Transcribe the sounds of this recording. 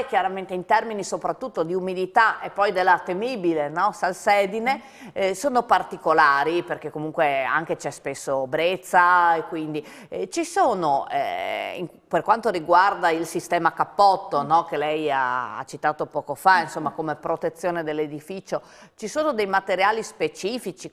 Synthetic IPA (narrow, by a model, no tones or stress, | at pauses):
k̟jaɾament̪eint̪ɛrminisopɾat̪ːut̪ːod̪iumid̪it̪aʔepːɔjd̪elːat̪emiːbilenɔsalsɛːd̪ine | soːnopart̪ikolaːɾiperkekːomuŋkwea̰ŋk̟et͡ʃɛspesːobɾet̪sːaekwind̪i | t͡ʃisoːnoɛ̰ḭŋ | perkwant̪oɾiɡward̪ailsist̪ɛːmakapːɔt̪ːonɔkelɛja̰a̰t͡ʃit̪aːt̪opɔːkofainsomːakomepɾot̪et̪sːjoːned̪elːed̪ifit͡ʃo | t͡ʃisoːnod̪ejmat̪eɾjaːlispet͡ʃiːfit͡ʃi